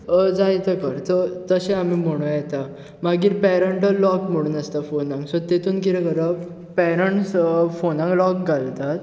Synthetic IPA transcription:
d͡zajt̪əkəɾt̪ət̪əɕẽamim̤əɽ̃ũjɛt̪a | maɡiːɾpɛɾəɳʈəlɔkm̤əɽ̃uːnəst̪afonãŋɡsɔt̪et̪uːnkiɾekəɾə | pɛɾəɳʈsfonãŋɡlɔkɡalt̪at̪

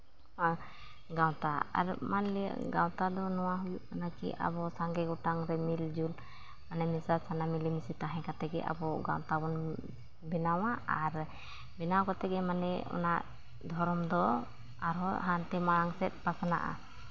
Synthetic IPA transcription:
hã | ɡawt̪aa̰ɾmanlḭɡawt̪ad̪ɔnɔwaɦujuʔkanakḭʔa̰bɔsaŋɡɛɡɔʈaŋɾɛmild͡ʒul | manɛmisasanamilimisit̪aɦɛ̃kat̪ɛɡɛ̰ʔa̰bɔɡa̰wt̪abɔn | bɛnawaaɾ | bɛnawkɔt̪ɛɡɛmanɛɔ̰naʔ | d̪ʱɔɾɔmd̪ɔ | aɾɔɦant̪ɛmaɽaŋsɛt̪̚ˀpasana̰ʔa̰

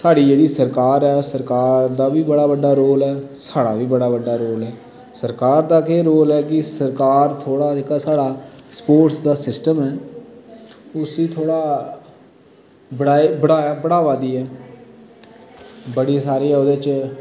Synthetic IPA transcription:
saːɽiːd͡ʒeːɽiːsəɾkaːɾɛːsəɾkaːɾd̪aːʋiːbəɽaːbəɖːaːɾoːlɛːsaːɽa̰ːʋiːbəɽaːʋəɖaːɾoːlɛː | səɾkaːɾd̪aːkeːɾoːlɛːk̬ɪsəɾkaːɾt̪ʰoːɽaːd͡ʒeːkaːsaːɽaːspoːʈsd̪aːsɪsʈəmɛː | ʊsiːt̪ʰoːɽaː | bəɽaːiːbəɽaːaːbəɽaːʋaːd̪iːɛː | bəɽiːsaːɾeːɛːoːd̪eːt͡ʃ

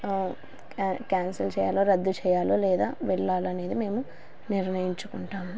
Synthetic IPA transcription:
kaːnsɐlt͡ʃɛːja̰ːloːɾɐd̪ːut͡ʃɛːjaːloːlɛːd̪aːʋɛɭːaːlɐne̞ːd̪ime̞ːmu | niɾɳɐjiɲt͡ʃukuɳʈaːm

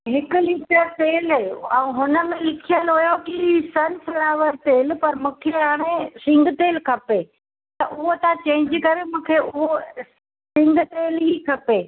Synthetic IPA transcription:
ɦɪkʊ̆liːʈət̪eːlɛ̃ːɦʊnə̆mẽlɪkʰijəlɦʊjokisɐnsɪɽaːʋəɾt̪eːlpɐɾmũːkʰeɦaːɽ̃esɪ̃ŋɡt̪eːlkʰɐpeː | t̪ɐʔʊɦot̪ãt͡ɕẽːɪ̃ɲd͡ʑɪkɐɾemũːkʰeʔʊɦo | sɪ̃ŋɡt̪eːlɦikʰɐpeː

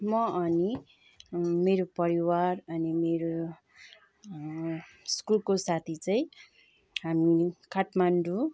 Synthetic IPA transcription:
mʌʔʌni | meɾopʌɾiwaɾʌnimeɾo | skulkosat̪ʰit͡saĩ | ɦamikaʈmanɖu

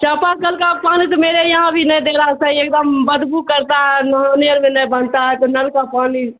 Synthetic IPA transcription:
t͡ʃãpakəlkapanit̪ɔmeɾejəɦãbʱinəjd̪eɾasə̃iek̚d̪əmbəd̪bukəɾt̪aɦɛnəɦãneəɾmenəjbənt̪aɦɛt̪ɔnəlkapani

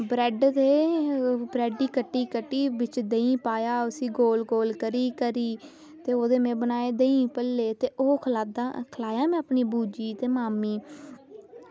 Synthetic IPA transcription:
bɾɛːɖd̪eː | bɾɛːɖiːkəʈːiːkəʈːiːʋɪt͡ʃd̪eĩːpaːjaːʊsĩːɡoːlɡoːlkəɾiːkəɾiː | t̪eːoːd̪eːmɛ̃ːbənaːeːd̪eĩːpəlːeːt̪eːʔoːkʰlaːd̪aːkʰlaːjãːmɛ̃ːəpniːbuːd͡ʒiːt̪eːmaːmiː

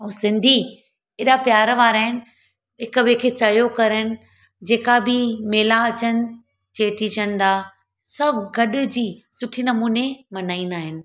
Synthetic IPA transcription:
ũːsɪ̃nd̪ʱi | ɪɗapjaːɾʋaːɾaːɦɪnɪ̆ | ɦɪkbekʰeːsɐɦijokɐɾənɪ̆ | d͡ʑeːkabɪmeːlaɐt͡ɕənɪ̆ | t͡ɕeːʈʰid͡ʑənɪd̪aː | sɐbʱɡɐɗʊ̆d͡ʑiːsʊʈʰinɐmuːnemɐnaːinaːɦɪnɪ̆

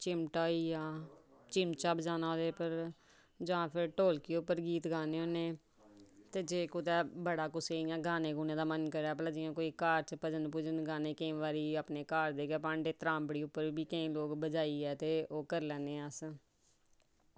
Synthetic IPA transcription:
t͡ʃɪmʈaːiːjãːt͡ʃɪmt͡ʃaːbd͡ʒaːnaːd̪eːpəɾ | d͡ʒəãːpʰɪɾʈoːlkiːʊpːəɾɡiːt̪ɡaːneːoːneː | t̪eːd͡ʒeːkʊt̪ɛːbəɽaːkʊseːɪjãːɡaːneːɡuːnẽːd̪aːmənkəɾɛːpləd͡ʒɪːãːkoːiːkaːɾt͡ʃpəd͡ʒənpʊd͡ʒənɡaːneːkəĩːʋaːɾiːapneːkaːɾd̪eːɡɛːp̬ãːɳɖeːt̪əɾaːmbəɽiːʊpːəɾbiːkəĩːloːɡbəd͡ʒaːiːɛːt̪eːoːkəɾlɛ̃ːneːəs

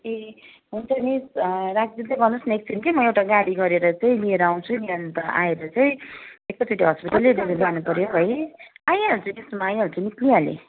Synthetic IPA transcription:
e | ɦunt͡sʰʌnisɾakd͡zid̪eɡʌnusnek̚t͡sʰinikimʌewʈaɡaɽiɡʌɾeɾʌt͡saĩlieɾʌaw̃nt͡sʰuniant̪ʌʔa̰eɾʌt͡saĩek̚t̪ʌt͡seʈiɦʌspiʈalːediɡed͡zanupʌɾjobʱʌjaj̃aɾut͡sʰʌnismaːj̃aɦɾut͡sʰʌnikliãlḛ

